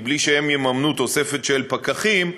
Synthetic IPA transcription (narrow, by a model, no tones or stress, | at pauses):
bliʃehemjemamnut̪o̞se̞fe̞t̪ʃelpakaχim